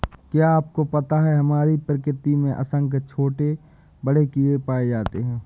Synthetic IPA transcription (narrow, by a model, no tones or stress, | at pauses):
kjaːp̚kopɐt̪aɦɛɦɐmaːɾipɾɪkɾɪt̪imẽʔɐ̰sə̃ŋkt͡ʃʰoːʈe | bəɽekiːɽepaːed͡ʒaːt̪eɦɛ̃ː